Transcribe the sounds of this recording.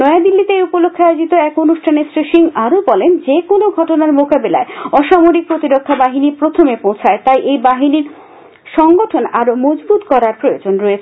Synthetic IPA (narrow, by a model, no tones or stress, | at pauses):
nɔead̪ilːit̪eupolokʰːeajod͡ʑit̪oɛkonuʃʈʰanesɾeʃiŋaɾobɔlend͡ʑekonoɡʱɔʈonaɾmokabela̰eɔʃamoɾik̚pɾot̪iɾokʰːabaɦinipɾot̪ʰomepõw̃t͡ɕʰaet̪ajʔejbaɦiniɾ | ʃɔŋɡoʈʰonaɾomɔd͡ʑbut̪kɔɾaɾpɾojod͡ʑonɾɔet͡ɕʰe